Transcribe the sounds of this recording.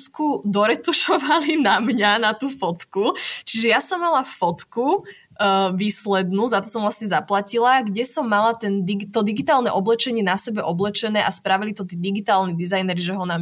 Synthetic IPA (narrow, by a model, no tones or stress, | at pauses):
skud̪ɔɾɛt̪uʃɔʋalinamɲanat̪uːfɔt̪kut͡ʃiʒɛjasɔmːalaffɔt̪ku | ʋiːslɛd̪nuːzat̪ɔsɔmvlasɲɛzaplacilaɡɟɛsɔmːalat̪ɛnd̪iɡt̪ɔd̪iɡit̪aːlˠnɛʔɔblɛt͡ʃɛɲɪɛnasɛbɛʔɔblɛt͡ʃɛnɛːʔaspɾaʋilit̪ɔt̪iːd̪iɡit̪aːlnid̪izajnɛɾiʒɛɦɔnam